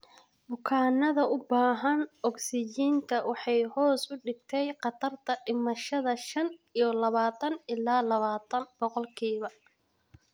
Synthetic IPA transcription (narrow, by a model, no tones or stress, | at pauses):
bʊkʰaːnɐðɐʊbaːɦɐnɔɡsɪt͡ʃiːnt̪ʰɐwɑħɑjhɔːsʊɖɪɡ̚t̪ʰɛjqɑt̪ʰɐrt̪ʰɐɖɪmɐʃɐðɐʃɐnijɞlɐβaːt̪ʰɐnɪlaːlɐβaːt̪ʰɐnb̥ɔqɔlkʰiːβɐ